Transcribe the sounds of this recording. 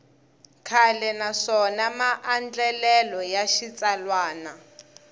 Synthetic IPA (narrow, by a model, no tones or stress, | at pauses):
kʰalɛnaʂɔnamaʔand͡ɮɛlɛlɔjaʃit͡salwaːna